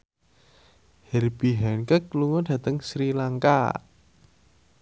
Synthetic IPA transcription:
hɛrb̥iɦɛnkəkluŋɔd̥a̤t̪əŋsɾilaŋka̰

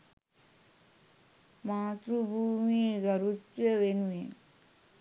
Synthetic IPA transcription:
maːt̪ɾubʱuːmiɡɐɾut̪jəʋenuen

